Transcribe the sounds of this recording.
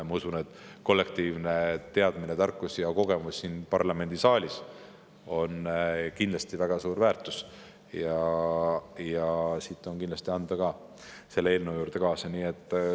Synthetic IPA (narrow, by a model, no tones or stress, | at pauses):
mɑusune̞t̪ːˑko̞lːe̞kt̪iːvne̞t̪e̞ɑd̪̥minet̪ɑrkːusjɑko̞ɡ̥e̞musːiːnpɑrlɑme̞nd̪isɑːlʲis | o̞nkind̪lɑst̪ivæɡ̥ɑsuːɾvæːrt̪ːˑus | jɑ | jɑsit̪ːˑo̞nkind̪lɑst̪iɑnd̪̥ɑkɑː | se̞lːeeːlnewjuːɾd̪e̞kɑːsɑniːe̞t̪ːˑ